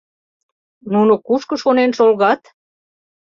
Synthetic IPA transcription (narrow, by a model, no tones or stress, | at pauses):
nunokuʃkəʃonenʃolɣɑt̪